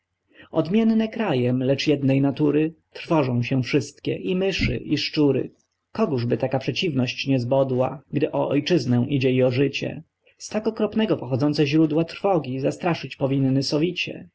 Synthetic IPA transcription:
ɔd̪mʲjɛnːɛkɾajɛmlɛt͡ʂjɛd̪nɛjnat̪uɾɘt̪ɾfɔʐɔ̃w̃ɕɛ̃fʂɘst̪kʲɛ̰ʔimɘʂɘ̰ʔiʂt͡ʂuɾɘ̰ | kɔɡuʐbɘt̪akapʂɛt͡ɕivnɔɕt͡ɕɲɛzbɔd̪waɡd̪ɘʔɔʔɔjt͡ʂɘznɛ̃ʔid͡ʑɛiɔʐɘt͡ɕɛ̰ | st̪akɔkɾɔpnɛɡɔpɔxɔd̪zɔnt̪sɛʑɾud̪wat̪ɾfɔɡʲizast̪ɾaʂɘt͡ɕpɔvʲinːɘsɔvʲit͡ɕɛ̰

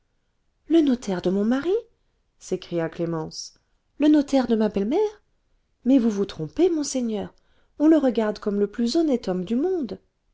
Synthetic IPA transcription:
lənot̪ʰɛʁd̪əmɔ̃maʁi | sekχijaklemɑ̃s | lənot̪ɛʁd̪əmabɛlmɛʁ | mɛvuvut̪χɔ̃pemɔ̃seɲœːʁ | ɔ̃ləʁəɡaʁd̪kɔmləplyzɔnɛt̪ɔmd̪ymɔ̃d̪

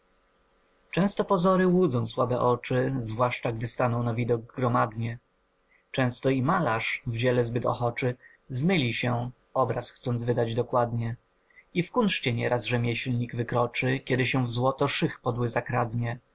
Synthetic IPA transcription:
t͡ʂɛ̃w̃st̪ɔpɔzɔɾɘwud̪zɔ̃w̃swabɛʔɔt͡ʂɘzvwaʂt͡ʂaɡd̪ɘst̪anɔ̃w̃navʲid̪ɔɡ̚ɡɾɔmad̪ɲɛ | t͡ʂɛ̃w̃st̪ɔimalaʂvd͡ʑɛlɛzbɘt̪ɔ̰xɔt͡ʂɘ | zmɘlʲiɕɛ | ɔbɾasxt̪sɔnzvɘd̪ad͡ʑd̪ɔkwad̪ɲɛ | ifkunʂt͡ɕɛɲɛɾʔasʐɛmʲjɛɕlɲiɡvɘkɾɔt͡ʂɘkʲɛd̪ɘɕɛvzwɔt̪ɔʂɘxpɔd̪wɘzakɾad̪ɲɛ

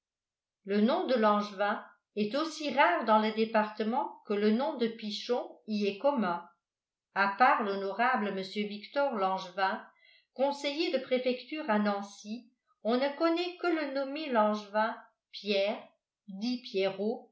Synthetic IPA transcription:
lənɔ̃d̪əlɑ̃ʒvɛ̃ | ɛt̪osiʁaːʁd̪ɑ̃ləd̪epaʁt̪əmɑ̃kələnɔ̃d̪əpiʃɔ̃iɛkɔmɛ̃ | apaːʁlɔnɔʁabləməsjøvikt̪ɔʁlɑ̃ʒvɛ̃ | kɔ̃sejed̪əpχefɛkt̪yːʁanɑ̃si | ɔ̃nəkɔnɛkələnɔmelɑ̃ʒvɛ̃ | pjɛːʁ | d̪ipjɛʁo

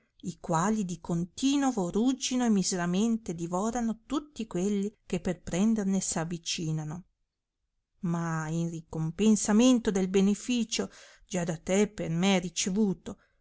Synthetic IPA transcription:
ikwaːlid̪ikont̪iːnovorud͡ʒinoemizeɾament̪ed̪ivɔːɾanot̪ut̪ːikwelːikepːerpɾɛnd̪ernesavːit͡ʃiːnano | mainrikompensament̪od̪elbenefiːt͡ʃo | d͡ʒad̪at̪epermeɛrit͡ʃevuːt̪o

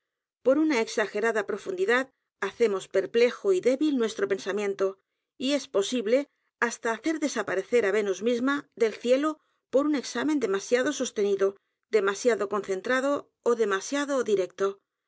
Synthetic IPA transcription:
po̞ɾunae̞ksaxe̞ɾaðapɾo̞fund̪iðað | aθe̞mo̞spe̞ɾple̞xoiðe̞βilnwe̞st̪ɾo̞pe̞nsamjẽ̞nt̪o̞ | ie̞spo̞siβle̞ | ast̪aːθe̞ɾðe̞sapaɾe̞θe̞ɾaβe̞nozmizmaðe̞lθje̞lo | po̞ɾune̞ksamend̪e̞masjaðo̞so̞st̪e̞niðo̞ | d̪e̞masjaðo̞ko̞nθe̞nt̪ɾaðo̞ː | ðe̞masjaðoðiɾe̞k̚t̪o̞

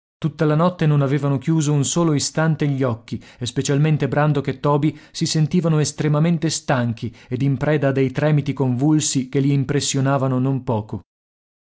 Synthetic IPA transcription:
t̪ut̪ːalanɔt̪ːenonaveːvanok̟juːzounsoːloist̪ant̪eʎːiɔkːiespet͡ʃalment̪ebɾand̪oket̪ːɔːbisisent̪iːvanoest̪ɾemament̪est̪aŋk̟ied̪impɾɛːd̪ad̪ejt̪ɾɛːmit̪ikoɱvulsik̟eliimpɾesːjonaːvanonompɔːko

